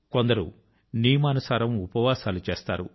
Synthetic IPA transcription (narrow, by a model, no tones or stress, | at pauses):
ko̞nd̪ɐɾṵ | niːmaːnusaːɾɐmupɐʋaːsaːlut͡ʃeːst̪a̰ːɾṵ